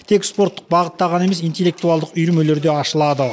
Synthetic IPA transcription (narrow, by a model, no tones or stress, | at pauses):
t̪ʰe̞kspo̞ɾt̪ːəq̚bɑʁət̪ːɑʁɑne̞me̞s̬ijnt̪e̞lːek̚t̪uɑlˠd̪əqʏjɾme̞le̞ɾd̪e̞ɑʃəlˠɑd̪ə